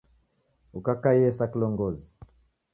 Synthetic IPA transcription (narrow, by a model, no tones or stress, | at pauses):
ukakaiɛsakilɔŋɡɔzi